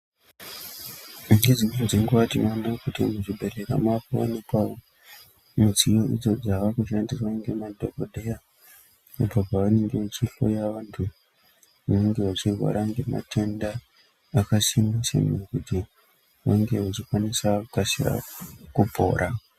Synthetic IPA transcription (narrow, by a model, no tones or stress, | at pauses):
iŋed͡ziɲed͡ziŋɡeʋatinonakutimuʐibʱe̞ɾe̞ɾa̰mapoʋa̰nepao | mud͡zijo̞ʔid͡zo̞d͡zaʋakuʃandiswaiŋɡemadʱokoɗʱe̞ja | upopaʋane̞ŋɡeʋat͡ʃiɬo̞̰jaʋantʰu | aneŋɡe̞ʋat͡ʃirwa̰ɾaŋɡema̰tʰe̞ndaː | kasimasḛmkuti | ʋaŋɡe̞ʋat͡ʃikwanisakasia̰kubʱo̰ːɾʔa